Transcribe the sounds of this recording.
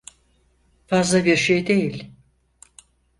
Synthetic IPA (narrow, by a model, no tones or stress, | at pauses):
fazlˠabiɾʃe̞jd̪e̞jilʲ